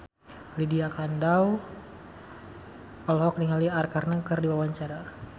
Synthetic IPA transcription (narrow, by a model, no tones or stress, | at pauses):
lidiakandaw | ɔlhɔk̚niŋaliarkarnəkərdiwawaɲt͡ʃaɾa